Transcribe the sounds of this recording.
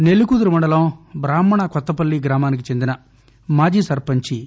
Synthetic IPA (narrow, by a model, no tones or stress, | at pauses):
nelukud̪uɾumɐɳɖɐlɐmbɾaːmɐɳɐkɔt̪ːɐpɐlːiɡɾaːmaːnik̬it͡ʃend̪inɐ | maːd͡ʒisɐɾpɐɲt͡ʃi